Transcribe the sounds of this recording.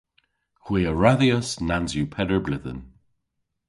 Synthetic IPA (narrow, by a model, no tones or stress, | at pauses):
xwiːəɹaðiəsnanzjupʰɛdəɹblɪðə̰n